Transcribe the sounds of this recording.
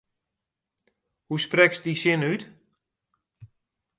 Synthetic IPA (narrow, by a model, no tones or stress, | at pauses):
husprɛksdisɪnyt